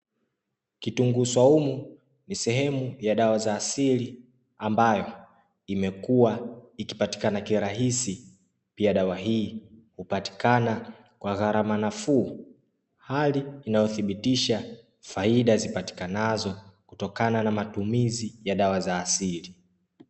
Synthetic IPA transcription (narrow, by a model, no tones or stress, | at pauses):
kituŋɡuswaumu | nisɛɦɛmujaɗawazaːsili | ambajɔ | imɛkuwaiki̥pati̥kanakiɾaɦisi | piaɗawaɦiːhupati̥kana | kwaɣaɾamanafuː | haliːnajɔθiɓitiʃa | faiɗazipati̥kanazɔku̥tɔkananamatumizijaɗawazaːsili